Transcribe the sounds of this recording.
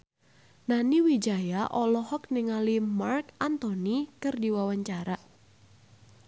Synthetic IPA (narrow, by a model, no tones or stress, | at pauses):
naniwid͡ʒajaʔɔlɔhɔk̚niŋalimarkant̪onikɨrdiwawaɲt͡ʃaɾa